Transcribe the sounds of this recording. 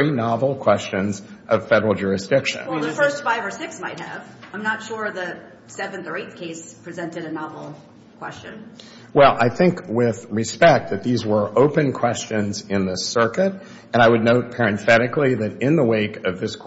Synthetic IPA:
inɑvl̩ˠkʰw̥ɛst͡ʃɨ̃nzʔʌv̥fɛɾə˞l̩ˠd͡ʒʊɹɨsd̥ɪkʃɨ̰̃nɛðəfɜ˞stfaɪvə˞sɪksmaɪt̚ɦɨ̰v̥ãɪ̃mnətʃʊɹðɨ | sɛvɨ̃nθə˞eɪθkʰeɪspʰɹ̥izɛ̃ntɨɾɨnɑvl̩ˠ | kʰw̥ɛst͡ʃɨ̃n | wɛlˠʔa̰ɪθɪ̃ŋkwɪð̥ɹɨspɛk̚t̪̚ðɨt̪̚ðizwə˞ʔoʊpɨ̃nkʰw̥ɛst͡ʃɨ̃nzɪ̃nðɪsɜ˞kɨɾ | ɨ̃ñaɪwɨdⁿnoʊt̚pʰɛɹɨ̃ɱθɛɾɨkliðɨɾɪ̃nðəweɪkʌvðɪskʰ

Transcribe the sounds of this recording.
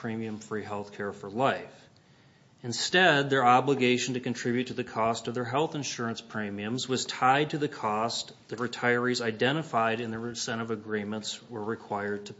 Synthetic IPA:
pʰɹ̥ĩmiɨ̃ɱfɹiɦɛlˠθkʰɛɹfə˞laɪf | ɨ̃nstɛd̪̚ðə˞ɑbləɡeɪʃn̩tɨkntʰɹ̥ɪbjʉtʰɨðɨkʰɔstʌvðə˞ɦɛlˠθɨ̃nʃʊɹə̃nspʰɹ̥ĩmiɨ̃mzwʌz̥tʰaɪd̚tʰɨðɨkʰɔst | ðɨɹɨtʰaɪə˞izaɪdɛ̃ɾ̃ɨfaɪɾɨ̃nðəsɛ̃ɾ̃ʌvɨɡɹĩmə̃ntswə˞ɹɨkʰw̥aɪə˞d̚tʰɨ

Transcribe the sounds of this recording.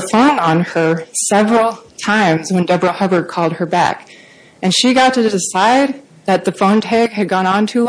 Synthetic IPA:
fõʊ̃nə̃nə˞sɛvɹl̩ˠtʰãɪ̃mzwɨ̃ndʌbɹəhʌbə˞d̚kʰɔlˠd̚ə˞bæ̰k | ɨ̃nʃiɡɑtʰɨdɪsaɪd̪̚ | ðɨt̪̚ðɨfõʊ̃ntʰɛɪɡ̚ɨd̚ɡɔ̃ñə̃ntʰʉ

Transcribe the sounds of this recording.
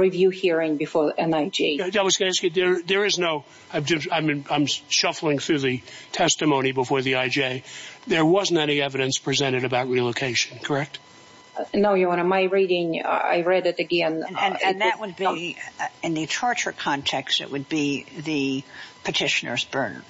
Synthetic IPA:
ɹivjʉhiɹɪ̃ŋbɨfɔɹɨ̃naɪd͡ʒiaɪwʌzɡʌnɨskɨðə˞ðə˞ɨznoʊ | aɪvd͡ʒʌãɪ̃mnãɪ̃mʃʌfl̩ˠɪ̃ŋθɹʉðɨtʰɛstɨmõʊ̃ɾ̃ibəfɔɹðiaɪd͡ʒeɪðə˞wʌz̃n̩tɛñiɛvɨɾɨ̃nspʰɹ̥izɛ̃ɾ̃ɨɾɨbaʊt̚ɹilˠoʊkʰeɪʃɨ̃n̩kʰə˞ɛk̚t | noʊjəɑ̃nəmaɪɹiɾɪ̃ŋa̰ɪɹɛɾɨɾɨɡɛ̃nnɨ̃nðʔwəd̚bi | ɨ̃nðɨtʰɑɹt͡ʃə˞kʰɑ̃ntʰɛkstɨ̰ʔwɨd̚biðɨipʰɨtʰɪʃɨnə̰˞zbɜ˞nə̰˞

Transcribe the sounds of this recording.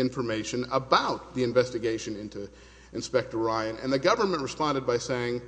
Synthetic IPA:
ɪ̃ɱfə˞meɪʃɨ̃nəbaʊt̪̚ðiɨ̃ɱvɛstɨɡeɪʃɨ̃nɪ̃ntʉ | ɨ̃nspɛk̚tə˞aɪɨ̃nɨ̰̃nðɨɡʌvə˞mɨ̃nʔɹɨspɑ̃ndɨd̚baɪseɪɪ̃ŋ

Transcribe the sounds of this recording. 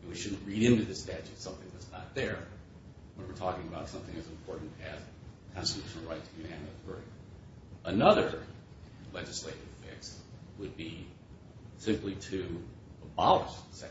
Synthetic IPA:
wiʃʊdⁿn̩ʔɹiɾɪ̃ntɨðɪstæt͡ʃɨtsʌ̃mθɪ̃ŋðætsnə̰t̪̚ðə˞ | bʌ̃nwə˞tʰɔkɪ̃ŋəbaʊtsʌ̃mθɪ̃ŋɨzɨ̃m̩pʰɔɹʔn̩tɨz̥kʰɑ̃nstɨtʰʉʃn̩l̩ˠɹaɪtʰɨjɨæ̃nɨθɜ˞i | ənʌðə˞ | lɛd͡ʒɨsleɪɾɨv̥fɪ̰kswəd̚bi | sɪ̃mpliɾɨ | əbɑlˠə̰ssɛ

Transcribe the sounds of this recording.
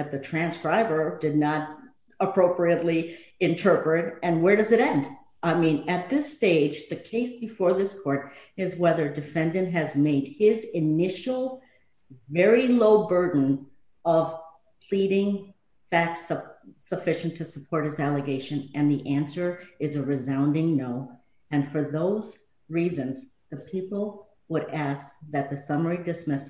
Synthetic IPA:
ɨt̪̚ðɨtʰɹ̥æ̃nskɹaɪbə˞dɨdⁿnəɾ | əpʰɹ̥oʊpɹiɨtˡliɨ̃ntʰɜ˞pɹɨɾɨ̃nwə˞ɾʌzɨɾɛ̃nd | ʔaɪmĩnɨt̪̚ðɪsteɪd͡ʒðɨkʰeɪsb̥ɨfɔɹðɪskʰɔɹɾɪzwɛðə˞dɨfɛ̃ndɨ̃nt̚ɦɨzmeɪd̚ɪzɨnɪʃl̩ˠ | vɛɹiloʊbɜ˞dⁿn̩ | ʌv̥ | pʰl̥iɾɪ̃ŋ | fæk̚tssəfɪʃn̩tʰɨsəpʰɔɹt̚hɨzælˠəɡeɪʃɨ̃nɨ̃nðiʔæ̃nsə˞ɨzɨɹɨzãʊ̃ndɪ̃ŋnoʊ | ɨ̃nfə˞ðoʊz | ɹizɨ̃nz | ðɨpʰipl̩ˠ | wəɾæsk̚ðɨt̪̚ðɨsʌmə˞idɨsmɪs

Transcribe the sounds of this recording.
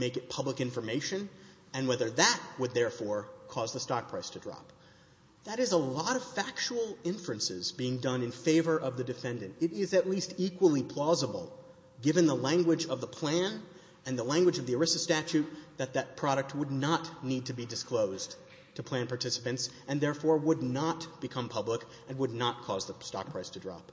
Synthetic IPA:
meɪkɨt̚pʰʌbləkɪ̃ɱfə˞meɪʃɨ̃n | ɨ̃nwɛðə˞ðɨt̚wəd̪̚ðɛɹfɔɹkʰɔzðəstɑɹpʰɹ̥ɛstʰɨdɹɑ̰p̚ | ðɨɾɨzəlɔɾʌv̥fæk̚t͡ʃəl̩ˠɪ̃ɱfɹɨ̃nsɪ̰zbiɪ̃ŋdʌ̃nɨ̃nfeɪvə˞ʔʌvðɨdɨfɛ̃ndɨ̃ntɪɾɪzɨtˡlistikwəl̩ˠipʰl̥ɔzəbl̩ˠ | ɡɪvɨ̃nðəlæ̃ŋɡwɨd͡ʒʌvðəpʰl̥æ̃n | ɨ̃nðəlæ̃ŋɡwɨd͡ʒʌvðiə˞ɪsɨstæt͡ʃʉt̪̚ðɨt̪̚ðɨt̚pʰɹ̥ɑɾɨk̚t̚wədⁿnətⁿnid̚tʰɨbidɨskʰloʊz | tʰɨpʰl̥æ̃npɑɹtʰɪsə̥pɨ̃ntsɨ̃nðɛɹfɔɹwədⁿnət̚b̥ɨkʰʌ̃mpʰʌblək | ɨ̃nwədⁿnət̚kʰɔzðəstɑ̰k̚pʰɹ̥aɪstʰɨdɹɑ̰p̚

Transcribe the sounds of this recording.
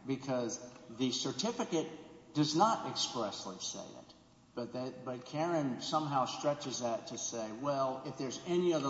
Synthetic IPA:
b̥ɨkʰʌzðɨsə˞tʰɪfɨkɨt̚d̥ʌznəɾɨkspɹɛslisḛɪɪ̰t̚ | b̥ʌt̪̚ðɨtbʌt̚kʰɛɹɨ̃nsʌ̃mɦaʊstɹ̥ɛt͡ʃɨzðɨtʰɨseɪwɛlˠɪfðə˞zɛniʌðə˞

